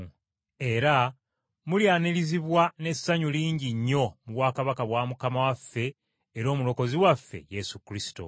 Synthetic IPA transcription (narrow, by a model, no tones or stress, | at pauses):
e̞ɾa | muljaːniliziβwane̞sːaɲuliːɲɟiɲːo̞muβwaːkaβakaβwaːmukamawafːe̞ː | ɾo̞ːmulo̞ko̞ziwafːe̞̰je̞sukɾisi̥to̰